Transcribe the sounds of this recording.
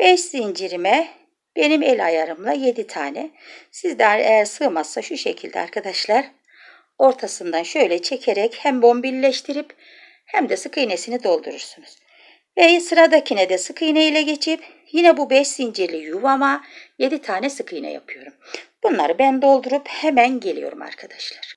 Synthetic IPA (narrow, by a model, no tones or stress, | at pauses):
b̥ɛʃsind͡ʒiɾimɛ | b̥e̞nimelʲajaɾɯmlˠaje̞d̪it̪ʰaːnɛsizd̪ɛɾejæɾsɯːmazːaʃuʃecʰilʲd̪ɛ̰a̰ɾkʰad̪aʃlˠaɾ | o̞ɾt̪ʰasɯnd̪anʃø̞jlʲɛt͡ʃʰe̞cʰeɾɛchæmbo̞mbilʲlʲɛʃt̪ʰiɾip | hæmd̪ɛsɯkɯjnesinid̪o̞lˠd̪uɾuɾsunuz̥ | vɛsɯɾad̪acʰinɛd̪ɛsɯkʰɯjnejilʲɛɟe̞t͡ʃʰip | jinɛbubɛʃsind͡ʒeɾlʲijuvamaje̞d̪it̪ʰaːnɛsɯkʰɯjnɛ̰ja̰pʰɯjo̞ɾumb̥unlˠaɾɯbænd̪o̞lˠd̪uɾuphemænɟe̞lʲḭjo̞̰ɾṵma̰ɾkʰad̪aʃlˠaɾ̥